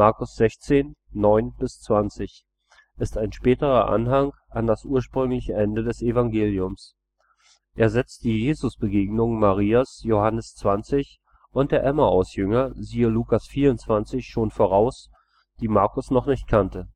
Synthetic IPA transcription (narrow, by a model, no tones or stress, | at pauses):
maɐkʊsz̥ɛçt͡seːnːɔʏnb̥ɪst͡sv̥ant͡sɪç | ʔɪstaɪnʃpɛːtəʁɐʔa̰nɦaŋ | ʔandasʔuːɐʃpʁ̥ʏŋlɪçəʔɛndədɛsʔevaŋɡeːljʊms | ʔʔeːɐzɛt͡st̚d̥iːjeːzʊsb̥əɡeːɡnʊŋmaʁiːasjohanəst͡sv̥ant͡sɪç | ʔʊnt̚d̥eːɐʔɛmɐʔaʊsjʏŋɐziːəluːkasfiːɐʊntt͡sv̥ant͡sɪçʃoːnfoːʁ̞aʊs | d̥iːmaɐkʊsnɔχnɪçt̚kʰantə